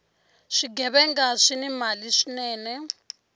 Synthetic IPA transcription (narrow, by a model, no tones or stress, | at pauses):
ʂiɡɛβɛŋɡaʂinɛmaliʂinɛːnɛ